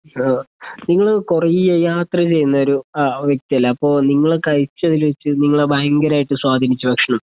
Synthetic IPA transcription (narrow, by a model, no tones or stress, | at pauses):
niŋːɐɭkurɐjijɐjaːt̪rɐt͡ɕe̞jːunːɐoɾuʋjek̚t̪ijɐlːɐːpːo̞ːniŋːɐɭekɐɻit͡ɕːɐðilʋet͡ɕːɨniŋːɐɭebʱajɐŋɡɐɾaːjiʈːɨswaːd̪ʱinit͡ɕːubɐkʂɐɳɐm